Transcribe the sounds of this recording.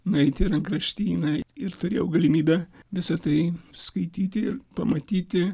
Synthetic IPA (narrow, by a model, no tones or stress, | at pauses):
nɐɪt̪ʲɪɾɐŋkɾɐʃʲt̪ʲiːnɐɪɾt̪ʊɾʲeːjɛʊɡɐlʲɪmʲiːbʲɛʋʲɪsɐt̪ɐɪskɐɪt̪ʲiːt̪ʲɪɪɾpɐmɐt̪ʲiːt̪ʲɪ